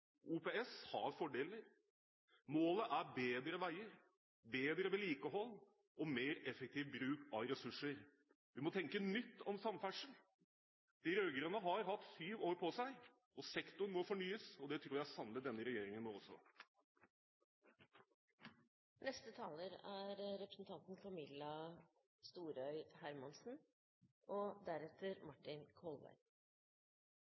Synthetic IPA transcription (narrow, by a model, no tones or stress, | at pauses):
ʔuːpeɛshɑ̰ɾfɔɖeːləɾ | moːləʔæɾbeːd̪ɾəʋæɪəɾ | beːd̪ɾəʋɛːliːkəɦɔlː | ʔɔmeːɾɛfək̚t̪ʰiːʋbɾʉːkɑʋɾɛsʉʂːəɾ | ʋɪmɔt̪ʰɛŋkənʏt̪ːɔmsɑmfæʂəɳ̩ | d̪̥ɪɾøɡɾənəɦɑɾɦɑt̪syːʋoːɾpʰɔsæɪ | ɔsɛkt̪ʊnmɔfɔɳyːəsɔd̪ɛt̪ʰɾuːɾjæɪsɑnlət̪d̪ɛnːəɾɛjeːɾɪŋənmoɔsːɔ̰ | nɛst̪ət̪ʰɑːləɾæɾɾɛpɾəsn̩t̪ʰɑnt̪n̩fɔmɪlɑ | st̪uːɾœʏhæɾmɑnsn̩ | ɔd̪æɾɛt̪ʰːəɾmɑʈːɪnkʰɔlʋæ̰ɪ